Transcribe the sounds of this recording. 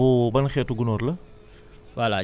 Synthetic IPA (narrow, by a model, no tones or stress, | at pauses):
ubɐnxɛːtuɡunɔːɾlɐ | wala